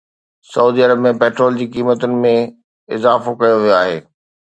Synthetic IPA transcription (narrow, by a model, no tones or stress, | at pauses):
sɐuːd̪iɐɾəbmẽpeːʈɾoːld͡ʑiːkiːmət̪ʊnɪ̆mẽ | ɪzaːfokɐjoʋijoaːɦḛː